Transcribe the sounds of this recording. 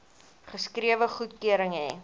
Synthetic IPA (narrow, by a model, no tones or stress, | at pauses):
χəskriəvəχutkyəɾəŋɦɛ